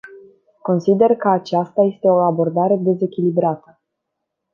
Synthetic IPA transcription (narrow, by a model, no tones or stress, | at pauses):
ko̞nsid̪e̞rkəat͡ʃast̪aje̞st̪e̞o̞abo̞rd̪aɾe̞d̪e̞ze̞kʲilibɾat̪ə